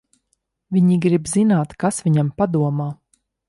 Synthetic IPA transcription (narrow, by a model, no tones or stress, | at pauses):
vʲiɲiɡɾibzinaːt̪kasviɲampad̪uɔmaː